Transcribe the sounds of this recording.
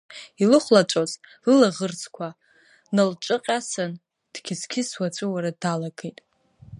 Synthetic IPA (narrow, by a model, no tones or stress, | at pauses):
ilɨχʷlat͡ʃʷʼozlɨlaʁərt͡sʰʼkʷʰa | nalt͡ʃʷʼɨqʲʼasan | d̥ɡʲɪzkʲʰɪswat͡ʃʷʼɨwaɾadalaɡejtʼ